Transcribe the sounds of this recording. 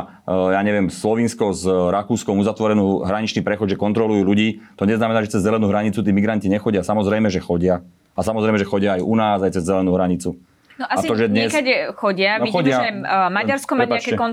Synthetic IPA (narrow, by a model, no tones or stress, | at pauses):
jaːɲɛʋɪɛmslɔʋiːnskɔzɾakuːskɔmuzat̪ʋɔɾɛnuːɦɾaɲit͡ʃniːpɾɛxɔd̪ʒɛkɔnt̪ɾɔlujuːluɟiːt̪ɔɲɛznamɛnaːʒɛt͡sɛzːzɛlɛnuːɦɾaɲit͡sut̪iːmiɡɾanciɲɛxɔɟɪasamɔzɾɛjmɛʒɛxɔɟɪa | asamɔzɾɛɪmɛʒɛxɔɟɪaːjunaːzajt͡sɛzːɛlɛnuːɦɾaɲit͡su | nɔʔaasiɔʒɛd̪ɲɛskaxɔɟɪaʋixɔaɛmaɟaɾskɔmaɛaɲpaakɛɛkɔn